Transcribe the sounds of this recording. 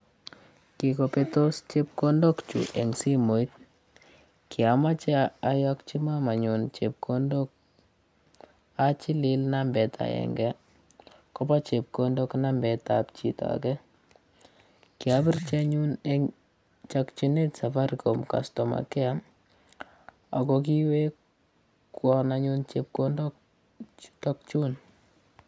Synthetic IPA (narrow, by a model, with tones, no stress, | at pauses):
kɪ˨ko˨pe˦to˦st͡ʃe˦p̚ko˦ndo˦kt͡ʃṵ˨ʔɛ˨ŋsi˦mo˨i˦t̪ | kɪ˨a˨ma˦t͡ʃa˦a˨jɔkt͡ʃi˦ma˦ma˨ɲu˨nt͡ʃe˨p̚kʰo˦ndo˦k̚ | at͡ʃi˦lɪ˦lna˦mbɛ˨tʰa̰˨ɛ̰˨ŋɡɛ˦ | kɔ˦pa˦t͡ʃe˨p̚ko˦ndo˦kna˦mbɛ˨ta˨pt͡ʃi˨ta̰˨kɛ˦ | ki˨a˦bi˦rt͡ʃɛ˦ɲu˦ne | t͡ʃakt͡ʃu˦ne˦tsa˨fa˦ɾko˨mka̰˨stɔ˨ma̰˨kɛ˦a˦ | a˨kɔ˧ki˦we˦ | kwɔ˦na˧ɲu˦nt͡ʃe˨p̚ko˦ndo˦ | tɔ˦k̚t͡ʃu˦n